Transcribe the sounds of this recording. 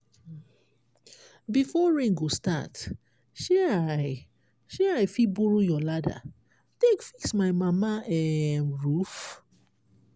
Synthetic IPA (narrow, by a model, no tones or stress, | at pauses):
bifɔɹĩŋɡosta̰t | ʃɛaj | ʃɛajfibuɹujɔlada̰ | tekfiksmaɪmamaɛmɹuf